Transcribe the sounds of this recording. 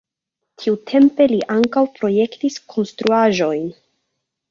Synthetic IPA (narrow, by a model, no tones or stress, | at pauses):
tʰiutʰe̞mpe̞liʔaŋkawpɾo̞je̞ktiskʰo̞nstɾuaʒo̞jn